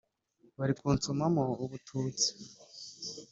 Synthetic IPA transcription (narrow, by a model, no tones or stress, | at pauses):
βaɾikuːnt͡sumamoːβutʰuːt͡si̥